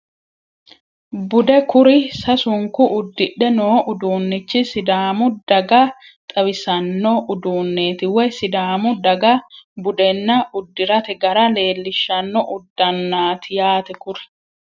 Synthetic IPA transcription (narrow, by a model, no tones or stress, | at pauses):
bʊd̪ɛkʊɾɪsɐsʊŋkʊʔʊd̪ːɪᶑːɛnoːʔʊd̪uːnːɪt͡ʃːɪsɪd̪aːmʊd̪ɐɡɐ | t̪ʼɐbɪsɐnːɔʔʊd̪uːnːe̞ːt̪ɪwɔjsɪd̪aːmʊd̪ɐɡɐbʊd̪ɛnːɐʊd̪ːɪɾɐt̪ɛɡɐɾɐle̞ːlːɪʃːɐnːɔʔʊd̪ːɐnːaːt̪ʰɪjaːt̪ɛkʊɾɛ̥